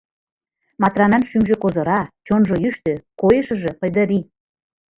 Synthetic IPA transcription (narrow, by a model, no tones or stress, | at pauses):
mɑt̪rɑnɑnʃymʒĕkozɤ̆ɾɑt͡ɕonʒoyʃt̪økojeʃə̆ʒĕpəjd̪ə̆ɾi